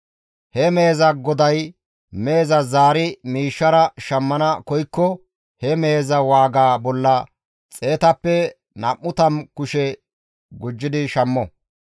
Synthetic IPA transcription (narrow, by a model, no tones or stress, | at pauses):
hɛme̞ːzɐɡɔd̪ɐj | me̞ːzɐzaːɾɪmiːʃːɐɾɐʃɐmːɐnɐkɔjkːɔ | hɛmeːzɐwaːɡaːbɔlːɐ | t͡sʼe̞ːt̪ɐpːɛ | nɐmːʊt̪ɐmkʊʃɛ | ɡʊd͡ʒːɪd̪ɪʃɐmːɔ